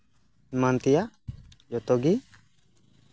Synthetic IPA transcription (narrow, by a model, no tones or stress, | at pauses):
mant̪ija | d͡ʒɔt̪ɔɡi